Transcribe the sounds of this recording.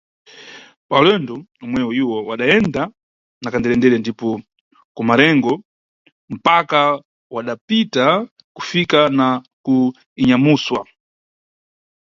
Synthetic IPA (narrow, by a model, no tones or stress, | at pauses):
palɛnduɔmwɛwɔiwɔwaɗaɛnda | nakandɛlɛndɛɾɛndipɔ | kumaɾɛŋɡɔ | m̩paka | waɗapita | ku̥fikana | ku | iɲamuswa̰